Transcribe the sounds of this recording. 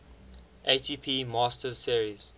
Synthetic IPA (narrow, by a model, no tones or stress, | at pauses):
ʔeɪtʰiːpʰiːmɑːstəsiəɹiz̥